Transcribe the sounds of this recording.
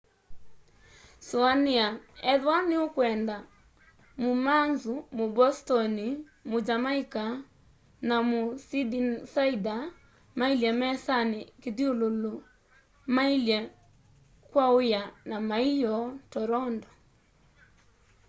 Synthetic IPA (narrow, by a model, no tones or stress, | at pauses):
suaniaɛðwaniokwɛnda | mumanzumobɔstɔni | mod͡ʒamaika | namosidisaida | mailjɛmɛsanikiðiolulo | mailjɛ | kwaojanamaijɔtɔɾɔndɔ